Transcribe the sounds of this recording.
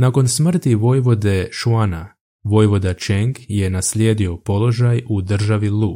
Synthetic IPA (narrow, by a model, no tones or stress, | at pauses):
nako̞nsmr̩t̪iʋo̞jʋo̞d̪e̞ʃuana | ʋo̞jʋo̞d̪at͡ʃeŋɡje̞naslʲjeːd̪io̞po̞lˠo̞ʒajud̪r̩ʒaʋilˠu